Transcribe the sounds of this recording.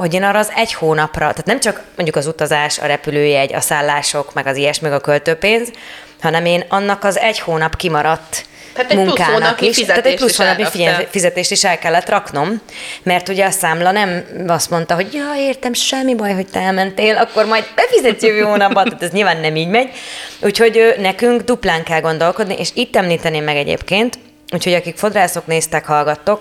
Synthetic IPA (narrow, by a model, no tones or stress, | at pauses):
ho̞ɟeːnɒːɾːɒːzɛɟhoːnɒprɒt̪aːt̪nɛmt͡ʃɒkmo̞ɲɟukɒzut̪ɒzaːʃɒ̰ɾɛpyløːjɛɟɒ̰saːlːaːʃo̞kmɛɡɒzijɛʃmɛɡɒkølt̪øːpeːnz | hɒnɛmeːnɒnːɒkɒzɛɟhoːnɒpkimɒɾɒt̪ː | at̪muŋkaːnkiʃaːt̪ɛcplushoːnɒpifiɛfizɛt̪eːʃt̪iʃɛlkɛlːɛt̪rɒkno̞mːɛrt̪uɟɛɒsaːmlɒnɛmɒst̪mo̞n̪t̪ɒɦo̞ɟjoeːrt̪ɛmʃɛmːibɒjɦo̞c̚t̪ɛɛlmɛnt̪eːlɒkːo̞rmɒjd̪̚bɛfizɛt̪jøøɦoːnɒbːot̪ːaːt̪ɛzɲilvaːnːɛmiːɟmɛɟuːcho̞ɟøːnɛkyŋkd̪uplaːŋkɛlɡo̞nd̪o̞lkod̪niʔeːʃiːt̪ːɛmliːt̪ɛneːmːɛɡɛɟḛːpkeːnt̪ | uːcho̞ɟɒkikfo̞d̪raːso̞kneːst̪ɛkhɒlɡɒt̪ːo̞k̚